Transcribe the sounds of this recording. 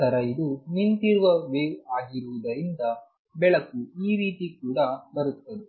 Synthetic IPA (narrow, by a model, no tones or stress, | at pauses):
ɐɾɐid̪unint̪iɾuʋɐʋeːʋaːɡiɾuʋud̪ɐɾind̪ɐ | bɛɭɐkuiːɾiːt̪ikuːɽɐbɐɾut̪ːɐd̪e